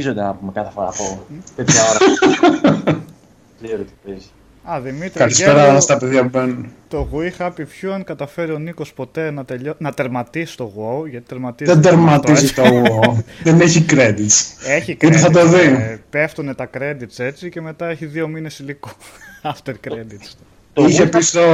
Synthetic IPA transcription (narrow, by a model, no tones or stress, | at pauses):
izond̪enɐpumekɐθefoɾɐ̰pot̪et̪ɐo | zeɾot̪ipez | ɐðimit̪ɾkɐlisppeɾɐst̪ɐpeðʝɐpubenut̪o̞ɣuixɐpipçuɐŋkɐt̪ɐfe̞ɾio̞niko̞spo̞t̪e̞nɐt̪eʎonɐt̪eɾmɐt̪isi̥t̪o̞ɣwooʝɐt̪i̥t̪eɾmɐt̪iðend̪eɾmɐt̪izit̪oɣoðeneçikɾed̪it̪seçikit̪eθɐd̪oðipe̞ft̪une̞t̪ɐkɾe̞d̪it̪se̞t͡sice̞me̞t̪ɐeçiðio̞mine̞siliko̥ | ɐft̪eɾkɾed̪it̪s | içepist̪o